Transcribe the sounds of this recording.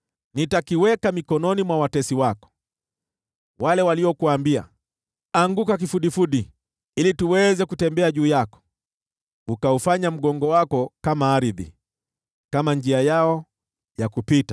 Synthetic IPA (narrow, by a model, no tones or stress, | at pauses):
nitakiwɛkamikɔnɔnimwawatɛsiwakɔ̥ | walɛwaliɔkuwaːmbia̰ | aŋɡukak̬ifuɗifuɗi | ilituwɛzɛkutɛmbɛaʄuːjakɔ̥ | ukaufaɲam̩ɠɔŋɡɔwakɔkamaaɾiðḭ | kamand͡ʒiajaɔ | jakupita